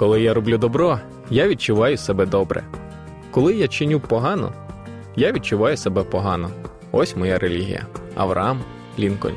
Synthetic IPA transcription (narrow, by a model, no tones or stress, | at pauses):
kɔlˠɪjaɾɔblʲud̪ɔbɾɔ | jaʋʲid̪̚t͡ʃʊʋɑjʊsɛbɛd̪ɔbɾɛ̰ | kɔlˠɪjat͡ʃɪnʲupɔɦɑnɔ̰ | jaʋʲid̚t͡ʃʊʋɑjʊsebɛpɔɦɑnɔ | ɔsʲmɔjaɾʔelʲiɦʲḭjɐ̰ɐ̰ʋɾɐ̰ɑm | lʲinkɔ̰nʲ